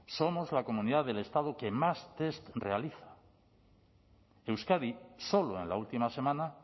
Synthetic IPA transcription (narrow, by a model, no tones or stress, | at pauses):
so̞mozlako̞mũniðaðe̞le̞st̪að̞oke̞mast̪e̞st̪re̞aliθḁ | ewskaðiso̞loe̞̰nlault̪imase̞mãna